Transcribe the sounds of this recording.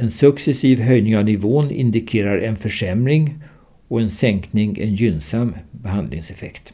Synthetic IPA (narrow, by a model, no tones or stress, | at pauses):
ɛnsɵksɛsiːvɦœjnɪŋavnɪvoːnɪ̰nd̪ɪkʰeːɾaɾɛnfœʂɛmɾɪŋ | ɔɛnsɛŋknɪŋɛ̰njynsambɛɦand̪lɪ̰ŋsɛfɛ̰kt̪